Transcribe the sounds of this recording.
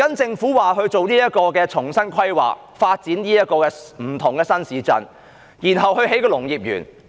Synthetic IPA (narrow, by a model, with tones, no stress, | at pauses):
kɐ˥nt͡sɪ˧ŋfuː˨˥waː˨ɦɵ˧ɥt͡so˨wniː˥jɐ˥t̚kɔː˧kɛː˧t͡ʃʰʊ˨˩ŋsɐ˥nkʰɐ˥jwa̰ː˨˩k̚ | faː˧t̚t͡siː˨˥nniː˥jɐ˥t̚kɔː˧kɛː˧m̩˨˩t̪ʰʊ˨ŋkɛː˧sɐ˥nsiː˨˧t͡sɐ̰˨˧n | jiː˨˩nɦɐ˨whɵ˧ɥɦe˨˥jkɔː˧lʊ˨˩ŋjiː˨˩p̚jy̰ː˨˩n